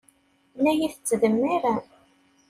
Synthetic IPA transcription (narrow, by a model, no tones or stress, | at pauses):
læjiθət͡sːðəmːiɾæ